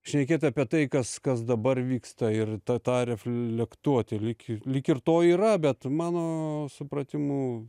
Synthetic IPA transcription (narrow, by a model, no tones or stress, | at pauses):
ʃʲnʲɛkʲeːt̪ʲɐpʲiɛt̪ɐɪkɐskɐs̬d̪ɐbɐrʋʲiːkst̪ɐɪrt̪ɐt̪ɑːɾʲɛfllʲɛkt̪uɔt̪ʲɪlʲɪklʲikɪrt̪oːiːɾɐbʲɛt̪mɑːnoːsʊpɾɐt̪ʲɪmuː